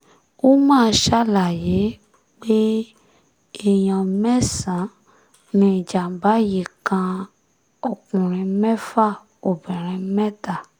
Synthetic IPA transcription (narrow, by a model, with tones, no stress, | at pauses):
wo˦mãː˦˨ʃa˦la˨je˨˦ | k͡pe˦ | e˨jɔ̃˨mɛ̃˦sã˨˦ | nĩ˨d͡ʒa˨ba˨˦je˨kã˧ | ɔ˨kũ˨ɾ̃ĩ˨mɛ̃˦fa˦ | o˨bɛ̃˨ɾ̃ɛ̃˨mɛ̃˦ta˨